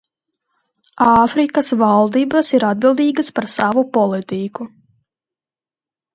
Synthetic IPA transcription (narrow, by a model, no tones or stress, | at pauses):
ɑːfɾikasvalˠd̪iːbasiɾad̪̚bilˠd̪iːɡaspaɾsavupɔlˠit̪iku